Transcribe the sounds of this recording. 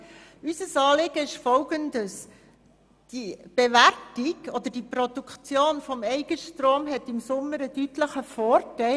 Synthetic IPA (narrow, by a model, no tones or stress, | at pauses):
ysəsɑːlɪɡ̥əɪʃfɔlɡəndəs | d̥ib̥eværtiɡ̥ɔd̪əd̥iprɔd̪ukʰt͡sjoːnfɔmɛɪɡ̥əʃtroːmɦɛtɪmsʊmːəɾəd̥ytləχəfoːɾtɛɪ